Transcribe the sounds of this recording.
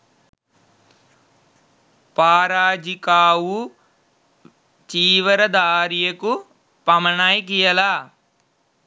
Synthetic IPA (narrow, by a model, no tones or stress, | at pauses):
paːɾaːd͡ʒikaːwu | t͡ʃiːʋɐɾɐd̪aːɾijɐku | pɐmɐɳaːjk̬ijɐlaː